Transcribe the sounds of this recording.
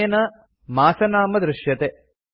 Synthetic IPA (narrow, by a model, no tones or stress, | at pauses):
ɐnɐ | maːsɐnaːmɐd̪ɾɪʃjɐt̪e